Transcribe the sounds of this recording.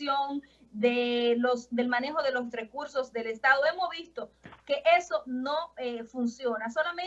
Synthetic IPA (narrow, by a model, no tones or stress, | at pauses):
joŋ | d̪elosd̪e̞lmãne̞xo̞ðe̞lo̞s̬re̞kuɾso̞zðe̞le̞st̪aðoe̞mozβist̪o̞ke̞ʔe̞so̞no̞efunsjo̞naso̞lamẽ